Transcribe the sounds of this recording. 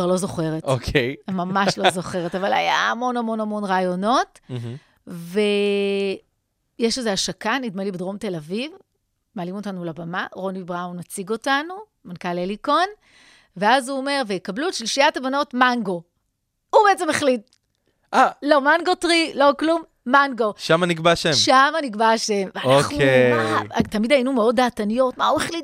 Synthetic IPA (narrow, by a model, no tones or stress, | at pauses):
vaʁlo̞zo̞χe̞ʁetokʰejamamaʃlozo̞χe̞ʁetavala̰ja̰amo̞nɐmo̞namo̞nʁaːjo̞no̞t̩ | ve̞ | jeʃezeaʃakanidmelibedʁo̞mte̞laviv | meaːlimo̞tanulabamaʁo̞nibʁawnːat͡siɡo̞tanu | mankaleliko̞n | veazuome̞ʁvejkablutʃliʃijatabano̞tmanɡo̞ | ubeet͡semeχlit̚ | ʔalo̞manɡo̞tʁilo̞klumːaŋɡo̞ʃamaniɡbaʃemʃamaniɡbaʃe̞mveaoχknuematamidajinumeo̞ddaːtanijo̞tma̰ueχlit